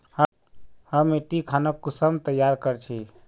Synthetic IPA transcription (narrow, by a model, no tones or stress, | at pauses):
hə | həmeʈikʰanəkːusəmt̪əjaɾkəɾt͡ʃʰi